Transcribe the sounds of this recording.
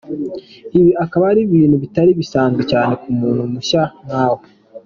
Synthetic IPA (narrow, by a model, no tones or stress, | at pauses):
iβiakaβaɾiβiːn̤̥huβitaɾiβisaːnzɡecaːne̞kumuːnhumuʃamaːwo